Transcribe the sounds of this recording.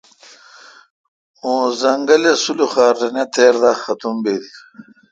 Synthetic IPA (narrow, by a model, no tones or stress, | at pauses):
õːzɐŋɡɐlesuluxaːɾːɐnet̪ʰeːɾd̪axɐt̪umbeːd̪ik